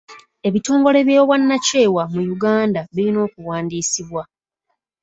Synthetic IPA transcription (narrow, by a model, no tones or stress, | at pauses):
e̞βito̞ːŋɡo̞le̞βjeβwanːace̞ːwamujuɡaːndaβiɾino̞ːkuwaːndiːsiβwa